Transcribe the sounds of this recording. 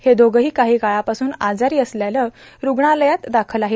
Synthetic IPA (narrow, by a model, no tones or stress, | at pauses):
hed̪oɡəɦiːkaɦiːɡaɭapasuːnad͡zaɾiːəsljaləː | ɾuɡɳaləjat̪d̪akʰəlaɦe